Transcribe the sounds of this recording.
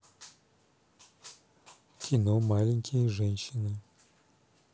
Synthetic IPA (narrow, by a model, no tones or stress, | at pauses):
kʲʰinomaliŋkʰʲʼiʐenʃina